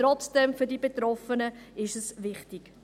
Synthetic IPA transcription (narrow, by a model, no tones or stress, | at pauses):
ɾɔt͡sd̥ɛmfydiːbet̪ɾɔfənəɪʃəsvɪχtɪk